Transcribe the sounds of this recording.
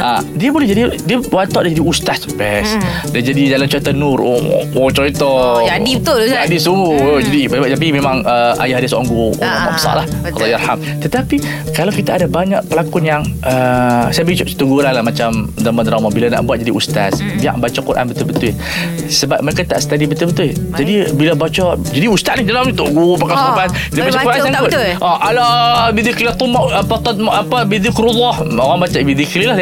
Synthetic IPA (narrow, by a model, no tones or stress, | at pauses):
ʔadiəbolɛhd͡ʒadidiəwant̪ɔʔdid͡ʒadiust̪asbɛs | dd͡ʒadidalamt͡ʃɔit̪anuɾo̰ot͡ʃɔit̪ɔadiət̪ʊadisuŋud͡ʒadibəbat̪apimemaŋəa̰jaɦadisa̰ŋɡuo̰ama̰ʔbəsa̰ʔlah | lːɑjarham | t̪ət̪api | kalawkit̪aːdabaɲa̰ʔ̚pəlakunjaŋəsajabət͡ʃsə̥t̪uɡuɾanlahmat͡ʃamzamanɾamɔbilana̰ʔbuat̪̚d͡ʒadiʔust̪a̰sbia̰ʔbat͡ʃɔkuɾʔa̰nbət̪ʊbət̪ʊ | səbap̚məɾekat̪a̰ʔsə̥t̪adibət̪ʊbət̪ʊd͡ʒadibilabat͡ʃɔd͡ʒadiust̪at̪nahd͡ʒalamut̪uʔɡupakasabat̪ | ilibat͡ʃɔkuɾʔansaŋɡʊʔɔʔalɔbiðɪkliat̪ˤumɔʔapat̪ɔt̪mʔapabiðɪkɾulːɑhoɣaŋbat͡ʃabiðiklilah